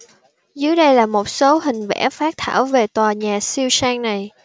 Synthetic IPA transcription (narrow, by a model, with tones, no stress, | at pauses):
zɨ˨˦əjɗə˧jlaː˨˩mo˨˩t̚so˨˦hï˨˩ŋ̟vɛ̰˧˥faː˦˥k̚t̪ʰaː˧˩wve˨˩t̪waː˨˩ɲaː˨˩si˧əwsaː˧ŋna˨˩j